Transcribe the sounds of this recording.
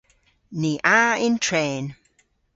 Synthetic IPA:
niʔaɪ̃ntʰɹẽːn

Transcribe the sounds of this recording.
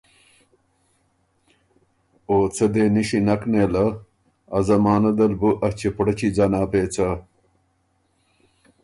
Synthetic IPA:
oːt͡sʰɐd̪eːniɕinɐkneːlɐ | ɐzɐmaːnɐd̪ɐlbuʔɐt͡ɕepɽɐt͡ɕid͡zanaːpeːt͡sɐ

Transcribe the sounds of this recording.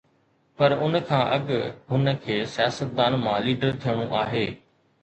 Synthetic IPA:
pɐɾʊnkʰãːʔɐɠɦʊnəkʰeːsɪjaːsət̪̚d̪aːnmãːliːɖəɾt̪ʰijəɽ̃ũʔaːɦeː

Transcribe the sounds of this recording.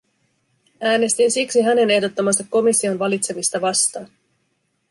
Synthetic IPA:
æːne̞st̪insiksiɦæne̞ne̞ɦdo̞t̪ːɑmɑst̪ɑkːo̞misːio̞nʋɑlit̪se̞mist̪ɑʋɑst̪ɑːn

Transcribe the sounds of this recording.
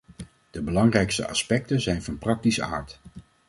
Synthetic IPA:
d̥əbəlɑŋrɛjkstə̰ʔɑ̰spɛk̚tənzɛjnvɑnprɑk̚tisəa̰ːɹt

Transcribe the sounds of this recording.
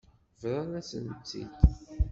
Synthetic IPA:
vɾˤɑnæsənt͡sːḭt̪

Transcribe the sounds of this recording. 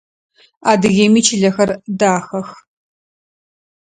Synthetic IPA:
aːdɨɣeːmiːt͡ʃʰɪɮɐxɐrdaːxɐx

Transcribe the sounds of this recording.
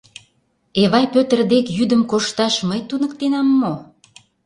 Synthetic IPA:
eβɑjpøt̪ə̆rd̪ekjyd̪ə̆mkoʃt̪ɑʃməjt̪unək̚t̪enɑmːo

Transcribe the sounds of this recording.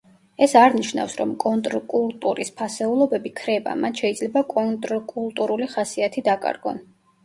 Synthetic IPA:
ɛsaɾniʃna̰fsɾɔ̰mkʼɔnt̪ʼɾkʼulˠt̪ʼuɾispʰasɛulˠɔbɛbikʰɾɛba̰mat̪ʰʃɛid̪zlɛbakʼɔnt̪ʼɾkʼulˠt̪ʼuɾuliχasiat̪ʰid̪akʼa̰ɾɡɔ̰n

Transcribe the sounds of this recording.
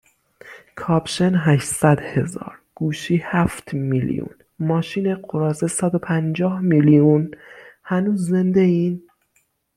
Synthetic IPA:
kʰɒːbʃenɦæʃsæd̪he̞zɒ̰ːɾɡ̥uːʃiːhæft̪ʰmilḭjṵn | mɒːʃiːneɢoɾɒːzesæd̪o̞pʰænd͡ʒɒːhmilijunhænuːzːend̪e̞iːn

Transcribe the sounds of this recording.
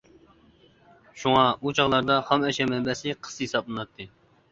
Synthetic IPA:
ʃuŋɑut͡ʃʰɑʁlˠɑɾd̪ɑhɑmɛʃɛmɛmbɛsɨqʰə̥shesɑp̚lˠɨnɑt̪ʰːɨ

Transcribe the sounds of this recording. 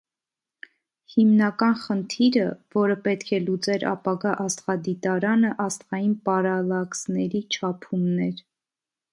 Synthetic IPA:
himnɑkɑnχənt̪ʰiɾəvɔɾəpɛt̪kʰɛlut͡sɛɾɑ̰pɑɡɑʔɑst̪χɑd̪it̪ɑɾɑnəʔɑst̪ʁɑjinpɑɾɑlɑksnɛɾit͡ʃʰɑpʰumnɛɾ

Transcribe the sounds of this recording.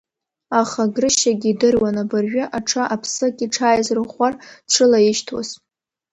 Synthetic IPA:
aχaɡrɨʃaɡʲidɨrwanabɨrɥɪʔaʈ͡ʂʰaʔapʰsɨkʲʼiʈ͡ʂʰaːjzrɨχʷarʈ͡ʂʷʰɨlajɪʃtʰa̰z

